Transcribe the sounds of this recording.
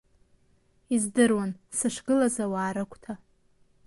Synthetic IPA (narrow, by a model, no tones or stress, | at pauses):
izdɨrwansɨʂɡɨlazawaːɾɨkʷʰʼtʰa